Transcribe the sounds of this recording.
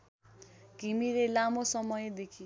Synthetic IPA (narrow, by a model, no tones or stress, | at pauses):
kimilelamosʌmʌjd̪ekʰi